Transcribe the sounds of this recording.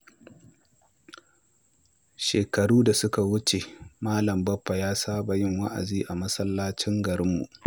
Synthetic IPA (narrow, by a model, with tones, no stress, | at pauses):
ʃeː˨kɐ˨ɽuː˦da˨sʊ˦ka˨wʊ˦t͡ʃe˨maː˦lɐ˨mbɐ˦pːa˨jaː˦saː˦ba˨jɪ˦ŋwa˦ʔa̰˨ziː˦ʔa˨mɐ˦sɐ˦lːaː˦t͡ʃɪ˦ŋɡɐ˨ɾɪ˦mːṵ˨ʔ